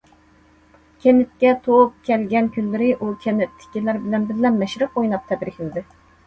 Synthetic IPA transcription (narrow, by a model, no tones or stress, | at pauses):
kʲʰɛnɪt̪̚kʲɛt̪ʰoup̚kʲʰɛlɡʲɛnkʲʰynːɪɾɪʔukʲʰɛnɪt̪ʰːɪ̥kʲilæɾbɪlɛnbɪɾlɛmːɛʃɾɨpojnˠɑp̚t̪ʰɛb̪ɾɪkʲlɪd̪ɪ